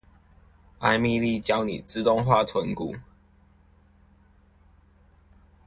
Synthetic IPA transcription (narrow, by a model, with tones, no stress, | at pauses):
a˥˧ɪmi˥˧˨li˥˨t͡ɕjɑ˦ʊnḭ˨˩t͡sɹ̩˥˧t̪ʊ˥˧ŋxwa˥˨t͡sʰwə˨˦nku˨˩˦